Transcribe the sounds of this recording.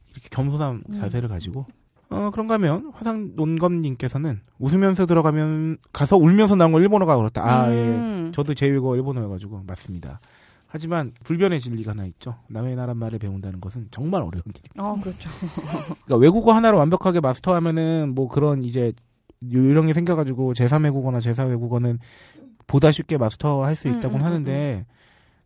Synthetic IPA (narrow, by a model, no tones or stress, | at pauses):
iɾʌkʰe̥kjʌmsʰonant͡ɕasʰe̞ɾɯɭkad͡ʑiɡo | ʌkɯɾʌŋɡaɦamjʌnɸwasʰaŋnonɡʌmɲink͈e̞sʰʌnɯn | usʰɯmjʌnsʰʌt̬ɯɾʌɡamjʌnkasʰʌuɭmjʌns̬ʰʌnaɯnɡʌiɭbonʌɡakɯɾʌt͈ʰa̰aet͡ɕʌdot͡ɕe̞weɡoiɭbonɯɡad͡ʑuɡomas͈ɯmɲida̰ | had͡ʑimanpuɭbjʌne̞t͡ɕiʎːiɡanait̚t͡ɕ͈oname̞naɾanmaɾɯɭpe̞ondanɯnɡʌsʰɯnt͡ɕʌŋmaɾʌ̰ɾjʌndiɡikɯɾʌt͡ɕʰo | k͈awe̞ɡuɡahanaɾowambjʌkʰaɡe̞masʰɯ̥tʰʌɦamjʌnɯnmwʌkɯɾʌnid͡ʑe̞ | joɾjʌŋisʰe̞ŋɡjʌɣad͡ʑuɡot͡ɕe̞s̬ʰanwe̞ɡuɡʌnat͡ɕe̞sʰawe̞ɡuɡʌnɯn | podaɕʰik͈e̞masʰɯ̥tʰʌhaɭs͈uit̚t͈aɡonnɦanɯnde̞